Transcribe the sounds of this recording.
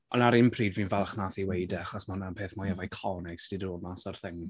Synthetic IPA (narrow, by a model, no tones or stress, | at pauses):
ʔɔnaɾɪmpʰriːdviːnvɛlˠχnaːθiwejdɛaχɔsmanapʰeːθmɔjavajkʰɔnɛɡ̥sɪdidroːdmasɔrθɪŋ